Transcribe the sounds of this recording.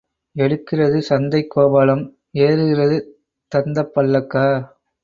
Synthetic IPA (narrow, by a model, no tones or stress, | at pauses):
ɛɽɯkːɪrɐðɯsɐnd̪ɐɪkːoːbaːlɐm | eːɾɯɣɪrɐðɯ | t̪ɐnd̪ɐpːɐɭːɐkːaː